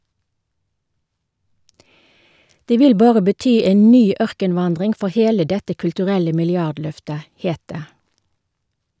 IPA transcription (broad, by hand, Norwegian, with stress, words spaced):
ˈdeː ˈʋɪl ˈbɑːʁə bəˈtyː ˈeːn ˈnyː ˈœʁkənˌʋɑndʁɪŋ ˈfɔʁ ˈheːlə ˈdɛtə kʉltʉˈʁɛlə mɪlɪˈɑdˌlœftə ˈheːt ˈdeː